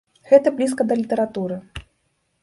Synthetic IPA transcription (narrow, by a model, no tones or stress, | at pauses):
ɣɛt̪ɐblʲis̬kɐd̪ɐlʲit̪ɐɾat̪uɾɨ